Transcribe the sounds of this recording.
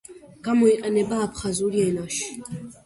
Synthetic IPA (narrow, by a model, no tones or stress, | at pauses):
ɡ̥amɔiqʼanɛbaːpʰχazuɾiɛnaʃ